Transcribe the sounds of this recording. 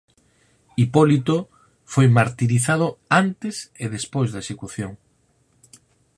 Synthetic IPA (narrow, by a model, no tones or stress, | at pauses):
ipɔlit̪o | fojmaɾt̪iɾiθað̞ʊant̪eseðespojzðɐesekuθjoŋ